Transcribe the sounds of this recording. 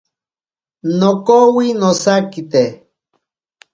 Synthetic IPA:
nokowinosakit̪e

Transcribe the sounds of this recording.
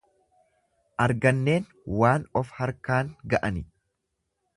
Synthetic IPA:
ʔɐɾɡɐnːe̞ːn | waːnɔfhɐɾkaːŋɡɐʔɐnɪ

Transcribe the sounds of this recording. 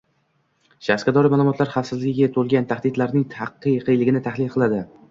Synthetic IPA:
ʃasqad̪ɒɾɪmaːlˠʊmɒt̪laɾχafsɪzlɪɡʲɪɡʲat̪ʰolɡʲant̪ʰahd̪ɪd̪laɾnɪŋt̪ʰɑqːɨjqʰɨjlɪɡʲɪnɪt̪ʰahlɪlˠqʰɨlˠad̪ɪ

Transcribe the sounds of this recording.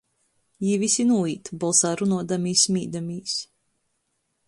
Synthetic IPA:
jivisʲinuːiːt̪bɔlˠsaːɾunuɔd̪amiːsʲmiːd̪amiːs

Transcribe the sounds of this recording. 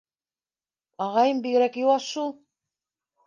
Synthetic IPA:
ɑʁɑjɤmbiɣɾækjuwɑsʃulˠ

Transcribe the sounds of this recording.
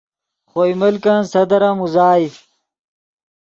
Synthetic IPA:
χojmɐlkɐnsɐd̪ɐɾamuzaːj

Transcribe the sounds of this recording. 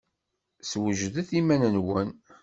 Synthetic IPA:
swəʒðəθimænənwən

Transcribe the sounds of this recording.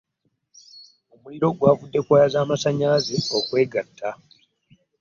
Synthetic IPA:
o̞muliɾo̞ɡwaːvudːe̞kwaːjazaːmasaɲaːzeo̞kwe̞ːɡatʰːa

